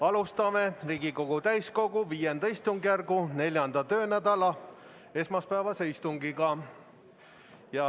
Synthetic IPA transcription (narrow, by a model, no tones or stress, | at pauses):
ɑlust̪ɑme̞riːɡiko̞ɡ̥ut̪æjsko̞ɡ̥uviːjend̪ɑist̪uŋɡjærɡune̞lʲjɑnd̪̥ɑt̪ø̞ːnæd̪̥ɑlɑ | e̞smɑspæevɑseist̪uŋɡiɡɑ | jɑ